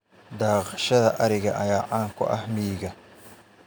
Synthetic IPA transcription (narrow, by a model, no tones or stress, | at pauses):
d̪ɑːqʃɐðɐʔɐɾɪɣɐʔɐjaːʕɑːŋkʰʊ̰ʔɐhmiːɣɐ